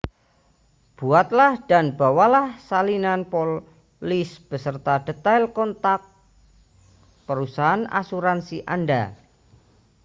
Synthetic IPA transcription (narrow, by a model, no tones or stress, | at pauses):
b̥uat̪̚lahd̥anb̥a̤walahsalinanpol | lisb̥ə̤sərt̪ad̥ə̤t̪ajlkɔnt̪ak̚ | pəɾusaɦana̰suɾansiʔanda̰